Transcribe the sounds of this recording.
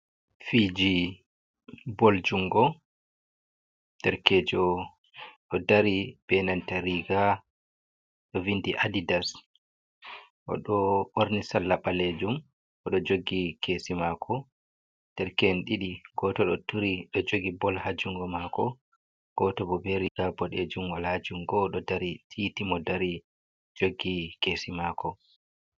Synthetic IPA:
fid͡ʒi | bɔld͡ʒuŋɡɔ | tɛɾkɛːd͡ʒɔ | ɗɔdaɾib̥ɛnantaɾiɡa | ɗɔvindiʔadidas | ʔɔ̰ɗɔoɾnisalːaɓaled͡ʒum | ʔɔɗɔd͡ʒoɡikʰesimakʰɔ | tɛɾkɛnɗiɗiɡɔtɔɗɔtuɾiɗɔd͡ʒoɡibɔlhad͡ʒuŋɡɔmakɔ | ɡ̥ɔtɔbɔbɛɾiɡabɔɗed͡ʒumwalhad͡ʒuŋɡɔɗɔdaɾitʰitimɔdaɾi | d͡ʒoɡːikesimakʰɔ

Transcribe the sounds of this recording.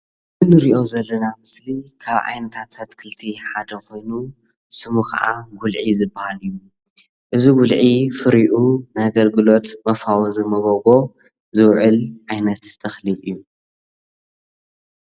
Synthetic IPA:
nɨnɨɾiʔo̞zɐlːɐnamɨslikʰaβʕa̰jnɐt̪ʰat̪ʰat̪kʰɨlt̪ʰiħad̪ɐkʰo̞jnu | sɨmukʰɐ̰ʕa̰ɡulʕizɨbːahalɨjːu | ʔɨziɡulʕifɨɾiʔunɨhaɡɐlɡɨlo̞t̪mɐfawɐzɨmɐɡoɡo̞ | zɨwʕɨlʕajnɐt̪ːʰɐxliɨjːu

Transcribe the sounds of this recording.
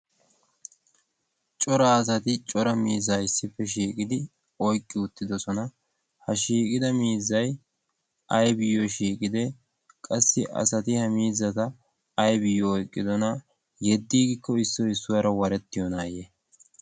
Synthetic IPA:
t͡ʃʼɔɾɐaːs̬ɐt̪ɪt͡ʃʼɔɾɐmiːzajɪsːɪfːɛʃ̬iːkʼɪd̪ɪ | ɔjkʼːɪʊt̪ːɪd̪ɔsɔnɐ | hɐʃiːkʼɪd̪ɐmiːzːɐj | ʔɐjbɪjɔʃiːkʼɪd̪ɛ | kʼɐsːɪʔɐ̰sɐt̪ɪhɐmiːzːɐt̪ɐː | jbɪjːɔːjkʼːɪd̪ɔnɐ | jɛd̪ːiːɡɪkːɔɪsːɔɪsːʊwɐɾɐwɐɾɛt̪ːɪjɔnaːje

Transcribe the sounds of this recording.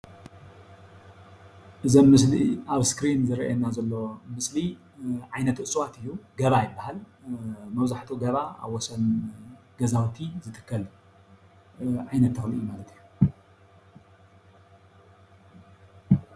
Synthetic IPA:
ʔɨzomːɨsliʔaβskɾinzɨɾʔa̰nːazɐlːo̞mɨsli | ʕajnɐt̪ɨsʼwat̪ʰɨjːuɡɐβajɪbːahal | mɐβzaħt̪ʰuɡɐβaa̰βwɔsɐnɡ̥ɐzawt̪ʰizɨt̪ʰʼɨ̥kʰːɐl | ʕajnɐt̪ːʰɐxlʔɨjːumalɐt̪ʰɨjːu

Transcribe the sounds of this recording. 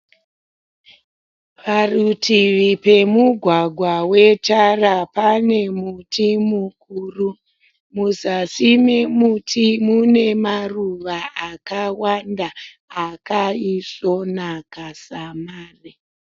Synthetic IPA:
ʋarutʰiʋipe̞muɡʱwaɡʱwawe̞tarapane̞mutʰimukuru | muzasimemutʰimune̞maruʋaʔakawandaː | kaisonakasamaːri

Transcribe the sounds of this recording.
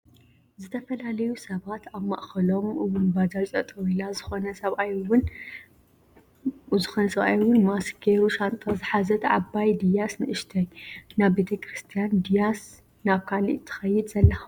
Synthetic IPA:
zɨt̪ʰɐfɐlalɐjusɐβat̪ʰaβmɐ̰ʔxɐlo̞mʔɨwʊnbad͡ʒat͡sʼɐt̪ʼɐwilazɨxo̞nɐsɐβʔajwʊn | zɨxonɐsɐβʔa̰jwʊnmasɡʰeɾuʃant̪ʼazɨħazɐt̪ʰʕabajd̪ijasnɨʔɨʃt̪ʰɐjnaβbet̪ʰɐkɾɨst̪ʰijand̪ijas | naβkʰalḭʔt̪ʰɨ̥xɐjːɪd̪zɐlːɐx

